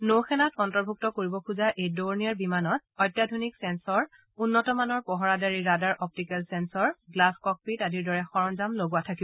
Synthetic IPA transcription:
nowxɛnatɔntɔɹbʱuk̚tɔkoɹibɔkʰuzaʔejdoɹniaɹbimanɔt̚ɔjtjadʱoniksɛnsɔɹ | unːɔtɔmanɔɹpɔɦɔɹadaɹiɹadaɹʔɔp̚tikɛlsɛnsɔɹɡlaskɔk̚pitadiɹdɔɹɛxɔɹɔnzamloɡuatʰakibɔ

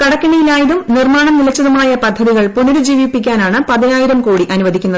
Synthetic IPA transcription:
kɐɽɐkːɐɳijilaːjɐðumnirmaːɳɐmnilɐt͡ɕːɐðumaːjɐpɐd̪ʱːɐðiɣɐɭpunuɾud͡ʑiːʋipːikʲːaːnaːɳɨpɐðinaːjiɾɐmkoːɽiʔɐnuʋɐd̪ʱikʲːunːɐð

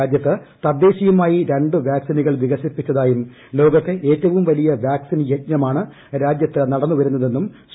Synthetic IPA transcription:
ad͡ʑjɐt̪ːɨt̪ɐd̪e̞ːɕijumaːjiɾeɳɖɨʋjaːksinuɣɐɭʋiɣɐsipːit͡ɕːɐðaːjum | lo̞ːɡɐt̪ːe̞ʔeːtːɐʋumʋɐlijɐʋjaːksinjet̚ɲɐmaːɳɨ | ɾaːd͡ʑjɐt̪ːɨnɐɽɐnːuʋɐɾun̪ːɐðe̞nːum | s

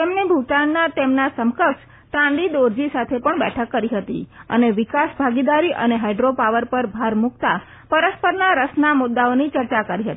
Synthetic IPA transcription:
t̪emnebʱuʈannat̪emnasəmkəkʃ | t̪ãɳɖ̪id̪oɾd͡ʒisat̪ʰepəɳbɛ̰ʈʰəkːəɾiɦət̪ḭə̰neʋɪkasbʱaɡid̪aɾiʔə̰neɦajɖɾopaʋəɾpəɾbʱaɾmukt̪a | pəɾəspəɾnaɾəsnamʊd̪ːaonit͡ʃəɾt͡ʃakəɾiɦət̪i

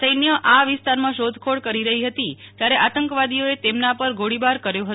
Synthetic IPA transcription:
səjnjəʔaʋɪst̪aɾmãʃod̪ʱkʰoɽkəɾiɾəɦiɦət̪it̪jaɾeʔat̪əŋkʋad̪ioet̪emnapəɾɡʱoɽibaɾkəɾjoɦə

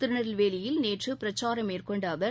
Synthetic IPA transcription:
t̪ɪɾɯɳɐɾɪlʋeːlɪjɪlneːʈrɯpɪɾɐt͡ʃːaːɾɐmeːrkɔɳɖaːʋɐɾ

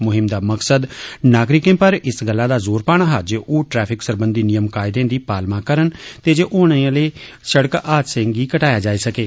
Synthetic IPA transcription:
mʊɦɪmd̪aːməksəd̪naːɡɾɪkẽːpəɾɪsɡəlːaːd̪aːzoːɾpaːɽ̃aːɦaːd͡ʒeːʔoːʈɾɛːpʰɪksəɾbənd̪iːnɪjəmkaːɪd̪ẽːd̪iːpaːlmãːkəɾənt̪eːd͡ʒeːʔoːɳ̃ẽːleː | səɽkaːt̪sɪ̃ŋɡiːkəʈaːjaːd͡ʒaːiːsəkeː

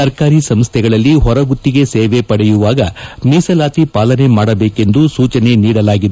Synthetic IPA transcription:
ɐɾkaːɾisɐmst̪ʰɛɡɐɭɐlːiɦɔɾɐɡut̪ːiɡe̞seːʋepɐɽɛjuʋaːɡɐmiːsɐlaːt̪ipaːlɐne̞maːɽɐbeːke̞nd̪usuːt͡ʃɐne̞niːɽɐlaːɡid̪e

